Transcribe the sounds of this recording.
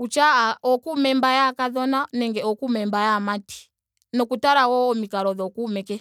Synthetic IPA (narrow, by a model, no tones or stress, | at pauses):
ut͡ʃaaɔkumɛmbajakaðɔnanɛŋɡɛɔkumɛmbajamati̥ | nɔkutaɾawɔɔmikaɾɔðɔkumɛkɛ